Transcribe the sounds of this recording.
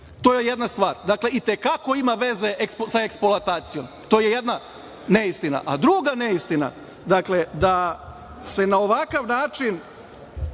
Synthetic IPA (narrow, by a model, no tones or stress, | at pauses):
t̪ojejed̪nast̪ʋaːɾd̪akle̞it̪e̞kako̞imaʋe̞ze̞ʔekspsaekspolat̪aːt̪sijo̞m | t̪o̞jejed̪na | neist̪ina̰ʔad̪ɾuːɡaneist̪ina̰ | d̪akle̞d̪a | se̞nao̞ʋakaʋnaːt͡ʃin